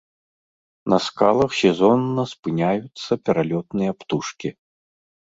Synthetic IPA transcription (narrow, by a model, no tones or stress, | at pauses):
nɐskalˠɐxsʲɛzɔnːɐspɨnʲajut̪sːɐpʲɛɾalʲɔt̪nɨjɐpt̪uʂkʲi